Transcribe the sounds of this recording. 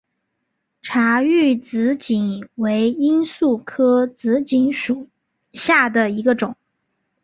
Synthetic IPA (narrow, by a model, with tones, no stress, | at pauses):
ʈ͡ʂʰa˧˥y˥˩t͡sɹ̩˧˥t͡ɕi˨˩nwe˧˥ɪi˥nsu˥˩kʰɤ˥t͡sɹ̩˧˥t͡ɕi˧˥nʂu˨˩ | ɕja˥˩d̪ə˩i˧˥ɡə˧ʈ͡ʂʊ˨˩˦ŋ